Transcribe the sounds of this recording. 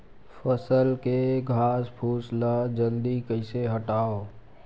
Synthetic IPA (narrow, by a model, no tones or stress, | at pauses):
fʰəsəlkeɡʱaːspʰuːsləd͡ʒə̃nd̪ikəɪseɦəʈaːoː